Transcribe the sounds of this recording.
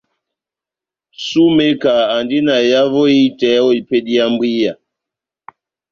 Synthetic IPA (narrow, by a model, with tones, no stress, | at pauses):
su˦me˦kaː˨ndi˦na˨ja˦vɔ˦i˦tɛ˨˦ɔ˦i˨pe˦ɗi˦a˦mbi˦ja˨